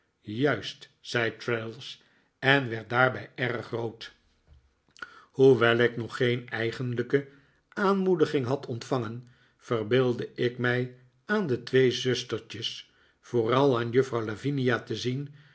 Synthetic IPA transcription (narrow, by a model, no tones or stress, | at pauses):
jœɥst | sɛjtɹelˠs | ɛnʋɛɹt̚daːɹbɛjɛrəχrowt | huʋɛlˠɪknɔχːejnɛjχənləkə | aːnmudəχɪŋɦɑtʰɔntfɑŋən | fərbɪːlˠdəɪkmɛj | aːndətʋejzɵstəɹt͡ʃəs | foːrɑlˠaːnjɵfrɑwlaviniatəzin